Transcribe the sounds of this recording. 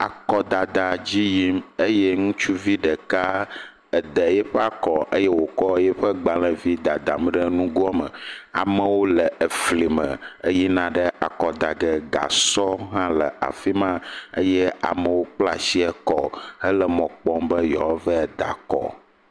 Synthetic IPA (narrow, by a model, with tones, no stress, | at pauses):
a̰˨kɔ˦d̪a˨d̪a˨d͡ʑi˦ji˦mə˦je˦ŋũ˦t͡ʃu˦vi˦ɖə˨ka˦ | ə˨d̪ə˨jɛ˦ɸɛ˦a˨kɔ˨ʔə˦je˦wo˨kɔ˦jɛ˦ɸə˦ɡ͡ba˨lə̃˨vi˦d̪a˨d̪a˨m˦ɖə˦nũ˦ɡɔ˦mə̰˨a̰˨mə˨wo˦lə˨ʔə˨fli˨mə̰̃˨ə˦ji˦nã˦ɖə˦a˨kɔ˨d̪a˨ɡɛ˨ɡa̰˨sɔ˦ɦã˦lə˨a̰˨fi˦mã˦ə̰˦jɛ˦a̰˨mə̃˨wo˦k͡pla̰˦si˦ɛ˦kɔ˦hə˦lə˨mɔ̃˨k͡pɔ˦mbə˦jɔ˨˦və˦ɛ˨d̪a̰˨kɔ̰˨